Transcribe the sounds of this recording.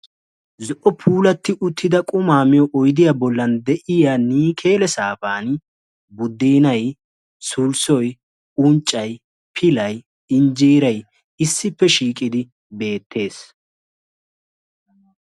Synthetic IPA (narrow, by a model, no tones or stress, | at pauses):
zɔʔɔpʰuːlɐt̪ːɪʔʊt̪ʰːɪd̪ɐkʼʊmaːmɪjɔʔɔjd̪ɪjabɔlːɐnd̪ɛʔɪjaːniːkʰe̞ːlɛsaːfaːn | bʊd̪ːiːnɐj | sʊlsɔj | ʊnt͡ʃʼːɐj | pʰɪlɐj | ɪnd͡ʒiːɾɐj | ɪsːɪpːɛʃiːkʼɪd̪ɪ | be̞ːt̪ʰːe̞ːs